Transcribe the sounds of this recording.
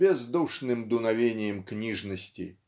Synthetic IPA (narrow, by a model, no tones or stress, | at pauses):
bʲɛzd̪uʂnɨmd̪unavʲenʲjɛmknʲiʐnɐsʲt͡sʲḭ